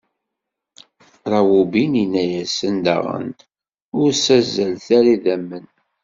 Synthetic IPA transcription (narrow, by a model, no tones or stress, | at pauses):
ɾˤɑwubininːæjæsənd̪ɑ̰ʁə̰nt̪ | ʊɾsæzːəlθaɾiðæmːən